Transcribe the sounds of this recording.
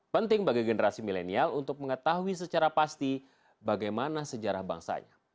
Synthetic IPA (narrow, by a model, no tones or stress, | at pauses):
pənt̪ɪŋbaɡiɡənəɾasimilenialunt̪ʊk̚məŋət̪aɦuis̬ət͡ʃaɾapast̪i | baɡajmanasəd͡ʒaɾahba̰ŋsa̰ɲa̰